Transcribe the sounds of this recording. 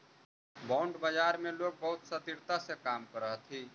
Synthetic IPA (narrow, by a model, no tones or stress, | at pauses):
baːɳɖbəd͡ʒaːɾmẽloːɡ̚bəɦʊt̪sət̪iɾt̪asekaːmkəɾəɦt̪ʰiː